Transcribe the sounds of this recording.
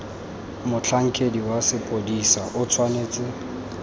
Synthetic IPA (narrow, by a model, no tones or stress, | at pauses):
mʊt͡ɬʰaŋ̩kʼediwasɪpʼodisaʔʊt͡sʰwaneːt͡sʼɪ